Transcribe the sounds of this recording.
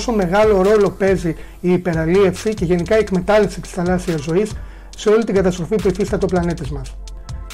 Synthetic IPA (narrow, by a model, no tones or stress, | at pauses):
so̞me̞ɣɐlo̞ɾo̞lo̞pe̞zi | iːpe̞ɾɐlie̞fsice̞ʝe̞nikɐie̞kme̞t̪ɐlifsit̪i̥sθɐlɐsiɐzo̞isː | e̞o̞lit̪iŋɡɐt̪ɐst̪ɾo̞fipuiθist̪ɐt̪o̞plɐnit̪ezmɐs